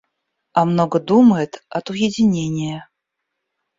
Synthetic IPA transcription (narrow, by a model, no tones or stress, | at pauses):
ɐmnɔɡəd̪uməjɛt̪ɐt̪ujed͡zʲɪnʲenʲijə